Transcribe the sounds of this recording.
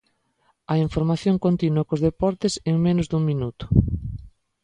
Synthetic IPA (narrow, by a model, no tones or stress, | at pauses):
ɐiɱfoɾmaθjoŋkont̪inuɐkozðepɔɾt̪ɪseŋmenʊzðuŋminut̪ʊ̥